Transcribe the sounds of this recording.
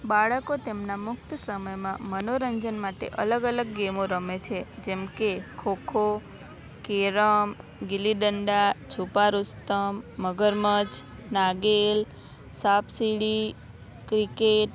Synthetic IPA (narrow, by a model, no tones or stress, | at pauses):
baɭəkot̪emnamʊk̚t̪əsəməjmãmənoɾəɲd͡ʒənmaʈḛʔə̰ləɡələɡːemoɾəmet͡ʃʰed͡ʒemkekʰokʰo | keɾəmɡiliɖəɳɖat͡ʃʰupaɾust̪əmːəɡəɾmət͡ʃ | naɡel | sapʰsiɽi | kɾikeʈ̚